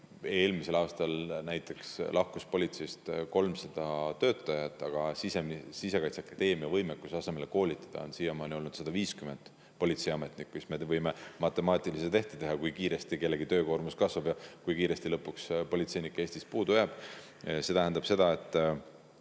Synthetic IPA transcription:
e̞ːlmise̞lɑːst̪ɑlnæjt̪ːˑe̞kslʔɑhkuspo̞lʲit̪se̞jst̪ko̞lmsɑd̪̥ɑt̪ø̞ːt̪ˑːɑjɑt̪ːˑɑɡ̥ɑsisemsise̞kɑjt̪sɑkːɑd̪̥e̞ːmiɑvɤjmekːusɑse̞me̞leko̞ːlʲit̪ːˑɑ̥d̪̥ɑ̰o̞nsiːjemɑːnʲio̞lnud̪̥sɑd̪ɑviːskymend̪̥ | po̞lʲit̪se̞jɑme̞t̪ˑnikːisme̞vɤjmemɑt̪ːˑe̞mɑːt̪ˑiliset̪e̞ht̪et̪e̞ɦɑkujkiːɾe̞st̪ike̞lːe̞ɡit̪ø̞ːko̞rmuskɑsvɑbjɑkujkiːɾe̞st̪ilɤ̞pːukspo̞lʲit̪se̞jnikːˑe̞ːsʲt̪ispuːd̪ujɑb̥ | se̞t̪æɦænd̪ɑb̥se̞d̪̥ɑe̞t̪ˑː

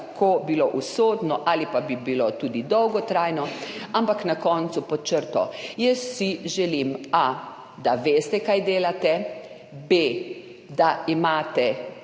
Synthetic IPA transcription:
kʰobiloʔusoːd̪nɔʔalipabibilot̪uːd̪id̪ɔwɡɔt̪ɾajnɔampaknakɔːnt̪supɔt͡ʃəɾt̪ɔjəsːiʒɛlima | d̪aʋeːst̪ɛkajd̪eːlat̪ɛ | be | d̪aimaːt̪ɛ

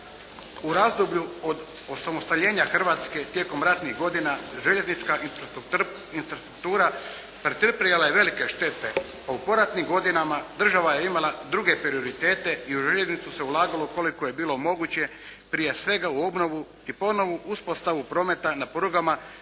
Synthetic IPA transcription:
uɾazd̪obʎuod̪osamost̪aʎe̞ːɲaxr̩ʋaːt̪ske̞t̪je̞ko̞mɾat̪niɣɡo̞d̪inaʒe̞ʎe̞znit͡ʃkafɾ | infɾast̪ɾuk̚t̪uːɾa | pɾet̪rpɾijelaje̞ʋe̞like̞ʃt̪e̞t̪e̞ | aupo̞ɾat̪nimɡo̞d̪inamad̪r̩ʒaʋaje̞imalˠad̪ɾuɡe̞pɾio̞ɾit̪e̞ːt̪e̞iuʒeʎe̞znit̪suse̞ulaːɡalo̞ko̞likoje̞biːlˠo̞mo̞ɡut͡ɕe̞ | pɾije̞sʋe̞ɡauo̞bno̞ʋu | ipo̞no̞ʋuʔuspo̞st̪aʋupɾo̞ːme̞t̪anapoɾoɡama

